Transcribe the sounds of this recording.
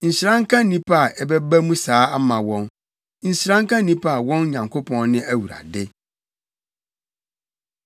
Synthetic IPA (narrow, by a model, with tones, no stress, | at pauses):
n̩˨ɕɪ˨ɾã˦ŋkʰã˦nĩ˦pʰa˦˨ʔɛ˨bɛ˦bæ˦mũ˦saː˨˦a˦mã˨wɔ̃˦n | n̩˨ɕɪ˨˦ɾã˦ŋ˦kʰã˦nĩ˦pʰa˦a˨wɔ̃˦nɲã˨ŋkʰo˦pʰɔ̃˦nnɪ̃˦æ˦wu˨ɾa̰˨dɪ˦